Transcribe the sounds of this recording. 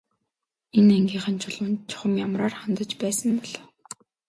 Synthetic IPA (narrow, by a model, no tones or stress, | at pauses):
enæŋɡʲiːɴχə̆nt͡ɕʰʊɮʊ̆nt͡ɕʰʊ̥χə̆mjamraːrχant̪ə̆t͡ɕpæːsə̆mpɔɮ̥ɔː